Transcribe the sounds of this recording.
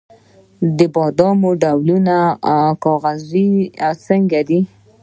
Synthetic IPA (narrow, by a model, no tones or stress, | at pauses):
d̪əbɑd̪ɑmoɖawlunakɑɣaziawt͡səŋɡad̪i